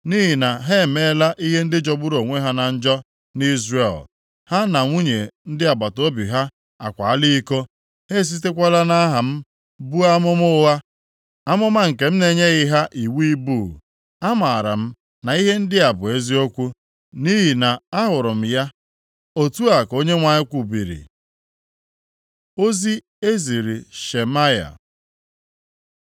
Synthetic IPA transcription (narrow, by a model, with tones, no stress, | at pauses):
ni˦ɦi˨na˨ɦe˦˨me˦la˦ʔi˦ɦe˦n̩˦dɪ˦d͡ʒɔ˨bʊ˦ɾo˨ŋʷe˦ɦa˦na˨n̩˦d͡ʒɔ˦ | ni˦zre˨l | ha˦na˨ŋʷu˦ɲe˨n̩˦dɪ˦a˨ba˨to˦bḭ˨ɦa˦ | a̰˨kʷa̰˨a˦li˦i˦ko˦ | he˦˨s̬i˦t̬e˦kʷa˦la˦na˦ɦa˨m̩˦ | bu˦a˦mʊ˦mʊ˦wa˦ | a˦mʊ˦ma˦ŋ̩˨ke˨m̩˦ne˨ɲe˦ɣɪ˦ɦa˦ʔi˨wi˦buː˦˨ | a˦ma˨a˨ɾa̰˨m̩˦ | na˨i˦ɦe˦n̩˦dɪ˦a˨bʊ˨e˦zi˦o˦kʷu˦ | ni˦ɦi˨na˨a˦ɦʊ˨ɾʊ˨m̩˨ja˦ | o˦tu˦a˨ko˦ɲe˦ŋʷa˨ɲɪ˦kʷu˨bi˨ɾḭ˨ | o˦zi˦ | e˦zi˨ɾi˨ʃe˨ma˦ja̰˨